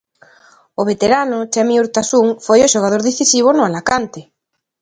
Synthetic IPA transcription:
oβ̞et̪eɾanot͡ʃamiuɾt̪asuŋfojoʃoɣ̞að̞oɾðeθisiβ̞onoalakant̪e

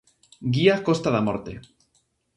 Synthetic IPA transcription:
ɡiakost̪aðamoɾt̪ḛ

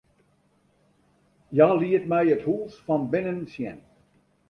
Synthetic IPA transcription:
jaːliətmɛjəthuːsfɑnbɪnənsjɛ̰n

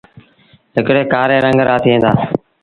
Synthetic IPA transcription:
ɦɪkɽeːkaːɾẽːɾəŋɡɾaːt̪ʰiːɦẽːnd̪aː

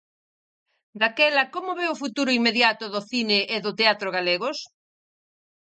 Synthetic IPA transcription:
d̪akɛlɐkomoβeofut̪uɾʊiŋmeðjat̪ʊðoθineʔːðot̪eat̪ɾoɣaleɣos

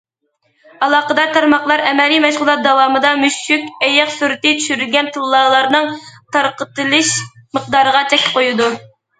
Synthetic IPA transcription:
ɑlˠɑːqəd̪ɑɾt̪ʰɑɾmɑχlˠɑɾɛmɛlimɛʃʁʊlˠɑt̪̚d̪ɑwɑːmɨd̪ɑmyʃykʲɛjɑqsuɾɪt̪ɪt͡ʃʰy̥ʃyɾylɡʲɛnt̪ʰɨlˠːɑːlˠɑɾnɨŋt̪ʰɑɾqət̪ɨlˠɨʃməq̚d̪ɑːɾəʁɑt͡ʃʰɛkʲʰɪ̥p̚qʰojud̪u

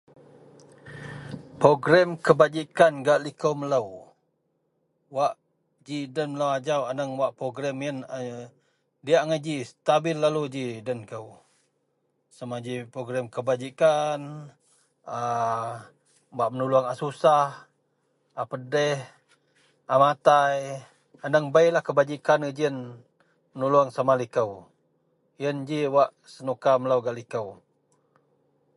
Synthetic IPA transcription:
pɾoɡɾɛmkəbad͡ʒikanɡaʔlikəwmələw | waʔ | d͡ʒidənmələwad͡ʒawanəŋwaʔpɾoɡɾɛmjən | diaʔŋəd͡ʒist̪abɪlːalud͡ʒidənkəw | səmad͡ʒipɾoɡɾɛmkəbad͡ʒikan | a | baʔmənuluaŋasusah | apədɛh | amat̪aj | andəŋbailahkəbad͡ʒikanəd͡ʒiən | mənuluaŋsamalikəw | jənd͡ʒiwaʔ | sənukaməlawɡaʔlikəw

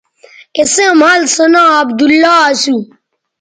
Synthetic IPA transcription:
esẽmaːlsɐnãːɐbd̪ulːaːasu

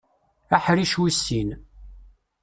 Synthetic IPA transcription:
æħɾiʃwisːin

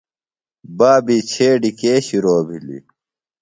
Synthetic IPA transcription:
baːbiːt͡ɕʰeːɖikeːɕiɾoːbʱilḭ

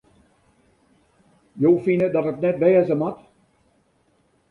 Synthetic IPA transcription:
joːfinədɔtəknɛtʋɛːəzəmat

